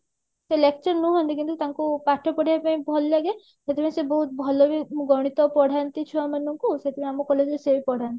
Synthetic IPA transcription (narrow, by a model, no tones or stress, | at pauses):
selekt͡ʃɔɾnũɦɔnt̪ikint̪ut̪aŋkupaʈʰɔpɔɽ̤iapaĩbʱɔllaɡe | set̪ʰepaĩsebɔɦut̪̚bʱɔlɔbiɡɔɽ̃it̪ɔpɔɽ̤ʱant̪it͡ʃʰɔamanɔŋkuset̪ʰepaĩamɔkɔled͡ʒesepɔɽ̤ʱant̪ii